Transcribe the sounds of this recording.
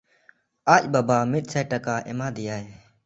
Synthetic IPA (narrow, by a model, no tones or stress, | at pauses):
ʔac̚babamit̪̚sajtakaʔɛmad̪ijaj